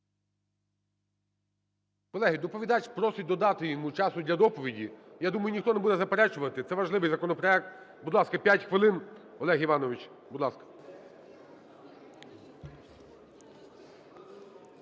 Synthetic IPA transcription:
kɔlˠɛɦijd̪ɔpɔʋʲid̪ɑt͡ʃʲpɾɔsʊd̪ɔd̪ɑt̪ɪjɔmut͡ʃɑsʊd̪ʲlʲɐd̪ɔpɔʋʲidʲijad̪umɐjʊnʲixt̪ɔnebud̪ɛzɐpeɾɛt͡ʃʊʋɐt̪ɪt̪sɛʋɐʒlˠɪʋɪjzɐkɔnɔpɾɔɛk̚t̪ | bud̪lˠɑskɐpʲjatʲxʋɪlˠɪn | ɔlˠɛɦiʋɑnɔʋʲɪt͡ʃ | bʊd̪lˠɑskɐ̥

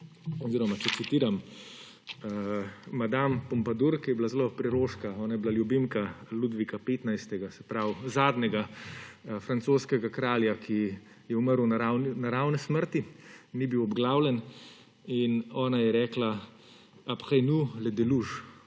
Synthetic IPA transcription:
ɔziɾɔmat͡ʃɛt̪sit̪iːɾam | mad̪ampɔmpad̪uɾkijɛblazlopɾɛɾoːʃkaɔːnajɛblaljubimkalud̪ʋikapeːt̪najst̪ɛɡasɛpɾawzaːd̪nɛɡa | fɾansoːskɛɡakɾaːljakʰi | jɛuməɾwnaɾawnnaɾawnɛsməɾt̪inibiwɔbɡlaːwlɛn | inɔːnajɛɾɛːkla | apxajnulɛd̪ɛluʒ

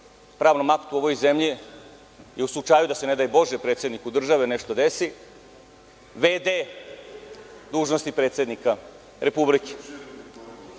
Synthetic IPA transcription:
pɾaːʋnomaku̥t̪uo̞ʋojzemʎi | jeuslˠut͡ʂaːjud̪ase̞ne̞d̪ajebo̞ʒepɾe̞t̪sje̞d̪nikud̪r̩ʒaʋeneʃt̪od̪esi | ʋed̪e | d̪uːʒnost̪ipɾet̪sje̞d̪nika | ɾepublike̥

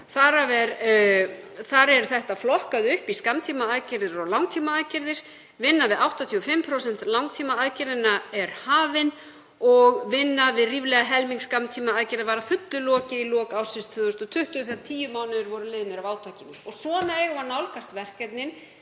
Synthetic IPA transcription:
θaɾavɛɾ | θaɾɛɾθɛht̪aflɔhkaðʏhpiskamt̪ʰiːmaːðcɪɾðɪɾɔɣlawŋt̪ʰiːmaaːðcɪɾðɪɾ̥ | vɪnːavɪðawht̪at̪ʰiɔfɪmpʰɾows̬ɛn̥t̪lawŋt̪ʰiːmaaːðcɪɾðɪnːaɛɾ̥haːvɪn | ɔɣvɪnːavɪðriːvlɛɣaɦɛlmiŋkskamt̪ʰiːmaaːðcɪɾðavaːɾafʏt̪lʏlɔːcɪilɔːkawsɪnst̪fʏðʏst̪ɔt̪ʰʏht̪ʏθiaðt̪ʰiːjʏmaːwnɪðʏɾvɔɾʏlɪːðɪnɪɾavaːwt̪ʰaːcɪnʏɔsɔnɛɣanawlkast̪vɛr̥kɛt̪nɪn

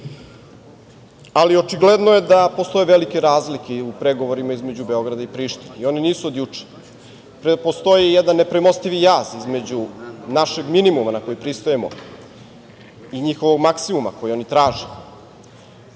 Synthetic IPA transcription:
alio̞t͡ʃiɡled̪noje̞d̪apo̞st̪o̞jeʋelike̞ɾaːzlikeupɾeɡo̞ʋo̞ɾimaizme̞d͡ʑube̞o̞ɡɾad̪aipɾiːʃt̪ineio̞niniːsuod̪jut͡ʂe̥ | ppost̪o̞jijed̪anːe̞pɾemo̞st̪iʋijaːzizme̞d͡ʑunaʃe̞ɡminimumanako̞jipɾist̪ojemo̞̰ | iɲixoʋo̞ɡmaksimuma̰kojio̞nit̪ɾaːʒe

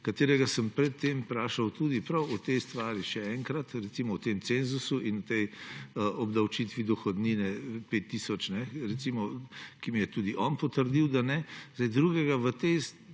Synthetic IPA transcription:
kat̪eːɾɛɡasəmpɾɛt̪ːempɾaːʃawt̪uːd̪ipɾɐwɔt̪ɛjst̪ʋaːɾiʃɛɛŋkɾat̪ɾɛt̪simɔwt̪eːmsenzusuʔinut̪ɛjəʔɔbd̪ɐwt͡ʃit̪ʋid̪ɔxɔd̪niːnɛpeːt̪ːisɔt͡ʃnɛɾɛt̪simɔkimijɛt̪uːd̪iʔɔnpɔt̪əɾd̪iwd̪anɛz̥ajd̪ɾuːɡɛɡaʋət̪es

